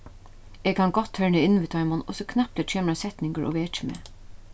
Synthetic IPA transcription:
eːɡ̚kʰanɡɔt̪ʰːœɹɳəɪnʋɪt̪ʰɑʏmɔnɔsɔkʰnɑp̚t̪ɛːt͡ʃʰeːməɾasɛt̪nɪŋkəʔɔ̰ʋeːt͡ʃɪmḛː

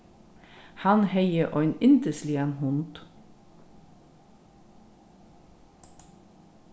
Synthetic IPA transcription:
hɑnheɪəʔoenɪnd̪əsliːənhʊnd̪̥

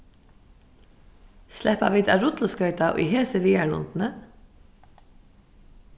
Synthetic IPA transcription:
slɛhpaʋiːd̪a̰ːɾʊt̪l̩skœʏt̪aʔʏ̰ɦeːsəʋiːalʊ̰nt̪n̩ə

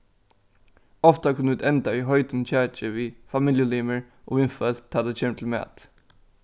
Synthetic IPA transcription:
ɔft̪ɑkʰʉnʉt̪ɛnd̪ɑiːɦœʏt̪ən̩çæːt͡ʃəʋiːfɑmɪljəliːməɹ | ʔo̰ːɪnfœtt̪ʰɑːd̪eçeːmt̪ʰl̩mḛːt̪

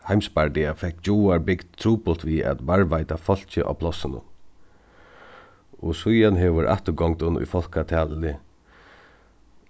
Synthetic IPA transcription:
hajmspaɹd̪ɪafɛhkːt͡ʃuːaɹbɪkt̪t̪ʰɾuːpʊl̥t̪ʋiɛ̰t̪vaɹʋaɪt̪afɔl̥t͡ɕɪʔa̰pʰlɔsɪnʊ̰n | ɔsʊjanɦɛʋʊɾʔa̰ht̪ʊɡɔŋt̪ʊnːʊ̰jfɔlkat̪ʰaːlɪlɪ

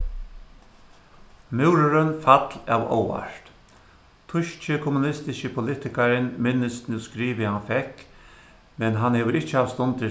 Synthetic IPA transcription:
mɪwɾʊɾʏnfat̪la̰ːʋo̰wa̰ʂt̪ | t̪ʰʊʃt͡ʃɪkʰɔmunɪst̪ɪʃəpʰʊlɪt̪ɪkaɾɪnmɪnːəsnuskɾiːʋɪhanfɛk | mɛnɦanhɛːʋəɾɪht͡ʃːəaʋst̪ʊnt̪ɪ

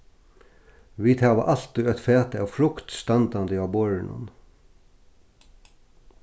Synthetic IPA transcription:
ʋiːt̪ʰæːʋə̰ʔɑlt̪̚d̪ʉːœt̪feːt̪əɑfɾʊkt̪st̪ɑnd̪ɑnd̪əɑːboɹəɳʔə̰n

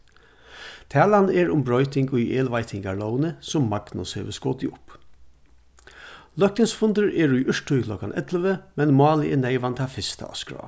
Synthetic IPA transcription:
t̪ʰæːlanɛɹʊmbɹœʏt̪ɪŋɡʊjʔeːlʋaɪt̪ʰɪŋɡaɭɔʊnəsʊmːaɡ̥nʊshḛːʋəskoːt̪ɪʊp | lœhk̚t̪ənsfʊnd̪əɹɛɹujʔʏʂʈʊjkʰlɔkanʔɛt̪ləʋəmɛnmɑːləɛneɪʋant̪ʰaːfɪst̪ʰa̰ɔ̰skɹɑ̰ː

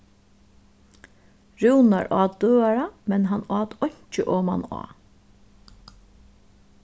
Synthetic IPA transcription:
ɹuwna̰ɹʔɑːd̪d̪øːaɹamɛnɦanɑːt̪ɔɲ̥t͡ʃəʔoːma̰nɑ̰ː

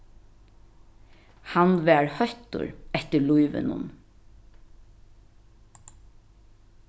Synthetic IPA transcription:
hanʋæːɹhœht̪ʊ̰ɹɛht̪əlujʋɪ̰nʊ̰n

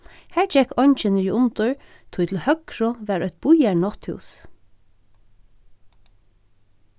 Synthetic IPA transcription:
hæːɹd͡ʒɛkɔɲt͡ʃənəɹiʊnt̪ʊɹ | t̪ʰʊjt̪l̩hœkɹʊʋæːɾœt̪̚bʊjæɹnɔt̪hʉ̰ːs

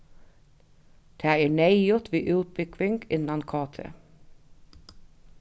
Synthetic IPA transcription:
d̪̥æːeːɳæɪʊt̪ʋiːʔʉːt̪̚bʏɡʋɪŋɡɪnɑnkʰɑːt̪ʰə̰

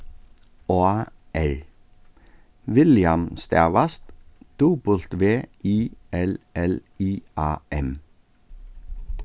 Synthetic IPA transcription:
oːɑːʔæɹ | ʋɪljɑmst̪æ̰ːʋɑst̪d̪̥uːbʊlt̪ʋeːʔiːʔɛlɛliːʔɑːʔɛm

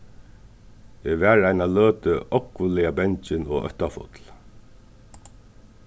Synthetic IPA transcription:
eːʋæːɹajnaløːt̪əɔkʋʊlɪabɛɲt͡ʃɪnɔ̰ːœ̰ht̪afʊ̰t̪l

